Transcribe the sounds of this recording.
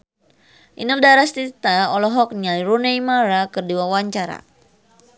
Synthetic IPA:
ʔḭnɔldaɾast̪it̪aɔlɔɦɔk̚nialiɾunejmaɾakərdiwawaɲt͡ʃaɾa̰

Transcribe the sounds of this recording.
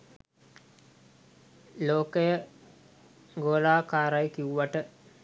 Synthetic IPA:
loːkəjə | ɡoːlaːkaːɾajkiuʋaʈə

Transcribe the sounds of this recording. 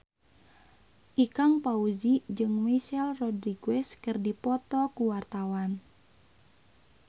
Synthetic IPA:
ʔikaŋpauzid͡ʒɨŋwɛsɛlrɔdriɡɛskɨrdipɔt̪ɔkuwart̪awan

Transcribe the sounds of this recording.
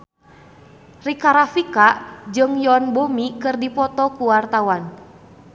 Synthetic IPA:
rikaɾafikaʔd͡ʒɨŋjɔnbomikɨrdipɔt̪ɔkuwart̪awan

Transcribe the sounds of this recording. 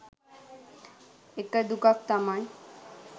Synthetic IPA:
ekːad̪ukak̚t̪amaj

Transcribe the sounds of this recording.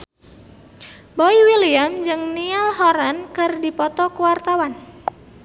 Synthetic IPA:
bɔiwiliamd͡ʒɨŋnialhɔɾankɨrdipɔt̪ɔkəwart̪awan

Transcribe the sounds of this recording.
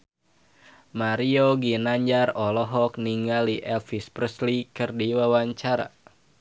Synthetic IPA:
maɾioɡinaɲd͡ʒarɔlɔɦɔkniŋɡaliʔɛlfispɾəslikɨrdiwawaɲt͡ʃaɾa̰

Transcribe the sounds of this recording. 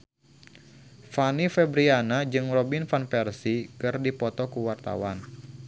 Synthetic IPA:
fanifɛbɾianad͡ʒɨŋrɔbinfanpɛrsikɨrdipɔt̪ɔkuwart̪a̰wan

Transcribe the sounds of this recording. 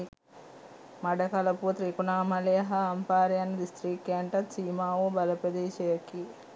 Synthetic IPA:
mɐɖɐkɐlɐput̪ɾikunaːmɐlɐjɐɦɐɐmpaːɾijɐnɐd̪ist̪ɾiːkːeːɳʈɐt̪siːmaːwoːbɐlɐpɐd̪eːʃɐjɐki

